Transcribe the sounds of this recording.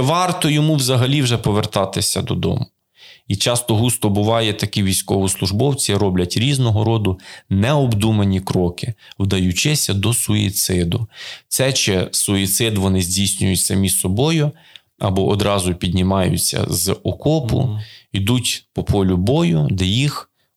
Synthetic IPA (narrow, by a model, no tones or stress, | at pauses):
ʋɑrt̪ɔjɔmuwzɐɦɐlʲiwʒɛpɔʋert̪ɑt̪ɪsʲɐd̪ɔ̰d̪ɔ̰mʊ | it͡ʃɑst̪ɔɦust̪ɔbʊʋɑjɛt̪ɐkʲiʋʲijsʲkɔʋɔslˠʊʒbɔwt͡sʲiɾɔblʲɐtʲɾʲiznɔɦɔɾɔd̪ʊnɛɔbd̪umɐnʲikɾɔkɪwd̪ɐjʊt͡ʃɪsʲɐd̪ɔsʊḭt̪sɪd̪ʊt̪sɛt͡ʃɛsʊit̪sɪd̪ʋɔnɪzʲdʲijsʲnʲʊjʊtʲsɐmʲissɔbɔjʊ | ɐbɔʔɔd̪ɾɑzʊpʲid̪ʲnʲɪmɑjʊ̰t͡sʲːɐ̰zɔkɔpʊ̰id̪utʲpɔpɔlʲʊbɔjʊd̪ɛjix